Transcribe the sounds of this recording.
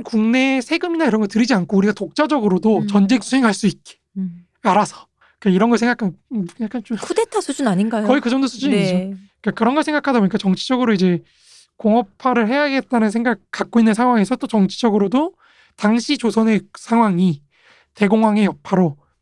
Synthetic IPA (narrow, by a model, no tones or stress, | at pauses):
nkuŋne̞sʰe̞ɡɯminaiɾʌnŋɡʌɭtɯɾid͡ʑiankʰouɾiɡatok̚t͡ɕ͈ad͡ʑʌɡɯɾodot͡ɕʌnd͡ʑe̞ŋsʰue̞ŋɦaɭs͈uit̚k͈e̥ | aɾasʰʌ̥ | ikaiɾʌnɡʌɭsʰeŋɡakʰajak͈ʰant͡ɕomkʰudetʰasʰud͡ʑunaɲinɡajkʌikɯd͡ʑʌŋdosʰud͡ʑuniioik͈akɯɾʌnɡʌɭsʰeŋɡakʰadaboɲik͈at͡ɕʌŋt͡ɕʰid͡ʑʌɡɯɾoid͡ʑe̞ | koŋʌpʰaɾɯɭɦe̞jaɡe̞t̚t͈anɯnsʰeŋɡak̚k͈ːak͈̚oinːɯnsʰaŋɦwaŋe̞sʰʌt͈ot͡ɕʌŋt͡ɕʰi̥d͡ʑʌɡɯɾodo | taŋɕʰit͡ɕosʰʌne̞sʰaŋwaŋi | te̞ɡoŋwaŋe̞jʌpʰaɾo